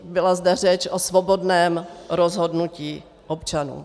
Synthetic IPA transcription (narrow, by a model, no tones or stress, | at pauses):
bɪlazdɛr̝ɛt͡ʃʔosvobo̞dnɛːmɾozɦo̞dnuciː | ʔopt͡ʃanṵː